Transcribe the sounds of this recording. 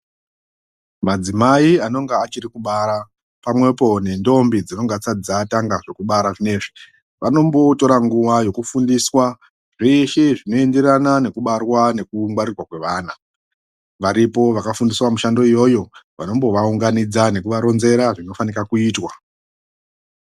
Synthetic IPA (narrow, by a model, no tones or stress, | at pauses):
mad͡zimaiano̞ŋɡaːt͡ʃirikuɓaɾa | pamwe̞po̞ne̞ndo̞mbid͡zino̞ŋɡat͡said͡zaːtaŋɡaʐe̞kuɓaɾaʐine̞ːʐi | ʋano̞mbo̞to̞ɾaŋɡuʋajo̞kufundiswa | ʐeʃeʐino̞e̞nde̞ɾanane̞kuɓarwane̞kuŋwaɾirwakwe̞ʋaːna | ʋaɾipo̞ʋakafundiswamuʃando̞ijo̞jo̞ʋano̞mbo̞ʋauŋɡanid͡zane̞kuʋaɾo̞nze̞ɾaʐino̞fanikakuiːtwa